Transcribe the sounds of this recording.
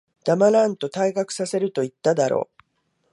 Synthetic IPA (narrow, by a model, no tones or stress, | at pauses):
d̪̥amaɾãnt̪o̞t̪aiɡakɯ̟̥sase̞ɾɯ̟t̪o̞it̪ːad̪aɾo̰ː